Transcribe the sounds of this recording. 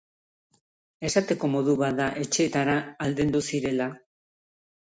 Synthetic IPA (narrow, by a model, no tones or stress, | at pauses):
e̞sat̪e̞ko̞mo̞ð̞uβat̪d̪aʔe̞t͡ʃe̞ːt̪aɾaːld̪end̪usiɾe̞la